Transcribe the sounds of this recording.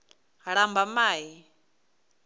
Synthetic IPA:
ɺambamaːɦi

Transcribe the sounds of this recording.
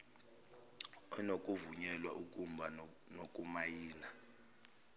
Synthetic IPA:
ɔnokʼuvuɲɛlwaʔukʼumbʱa | nokʼumajiːna

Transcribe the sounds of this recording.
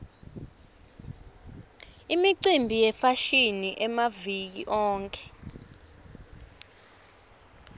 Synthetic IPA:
imiǀimbʱijɛfaʃiniʔɛmavik̬ḭʔɔːŋkʰʼɛ̥

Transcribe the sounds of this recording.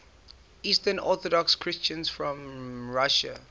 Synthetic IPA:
iːstənɔθɔdɔkskʰɹɪst͡ʃə̃nsfɹɔ̃mɹaʃə̰

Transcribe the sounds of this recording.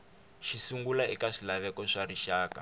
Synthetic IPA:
ʃisuŋɡulaikaʂilaβɛkɔʂariʃaːka̰

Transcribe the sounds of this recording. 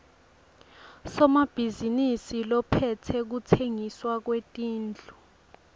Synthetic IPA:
sɔmab̥ʱizinisilɔpʰɛtʰɛk̬utʰeŋiswak̬wetʼiːnd͡ɮʱu

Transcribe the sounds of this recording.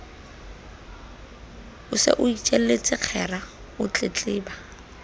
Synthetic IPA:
ʊsɪ̰ʔʊit͡ʃʼɛl̩lɪt͡sʼɪq͡χʰɛra | ʊt͡ɬʼɪt͡ɬʼɪːba

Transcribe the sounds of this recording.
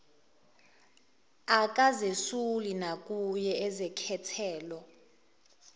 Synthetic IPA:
ak̬ʼazesulinak̬ʼujɛɛzɛkʰɛtʰɛːlɔ

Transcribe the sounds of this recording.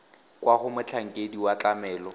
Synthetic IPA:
kwaχʊmʊt͡ɬʰaŋ̩kʼediwat͡ɬamɛːlɔ

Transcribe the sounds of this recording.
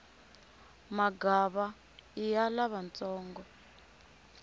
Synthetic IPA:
maɡaβa | ijalaβant͡sɔːŋɡɔ

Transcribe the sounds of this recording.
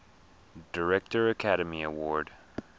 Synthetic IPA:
d̥əɹɛk̚tə˞əkʰæɾəmiəwɔɹd̥

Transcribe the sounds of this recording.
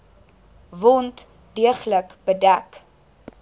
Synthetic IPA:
vɔnt | diəχləkbədæk

